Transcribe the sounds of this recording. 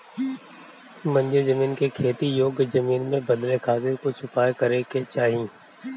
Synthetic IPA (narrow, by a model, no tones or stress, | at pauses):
mə̃ɲd͡ʒezəmiːnkekʰeːt̪ijoːɡzəmiːnmẽbəd̪lekʰaːkekot͡ʃʰʊpaːekəɾeket͡ʃaːɦĩː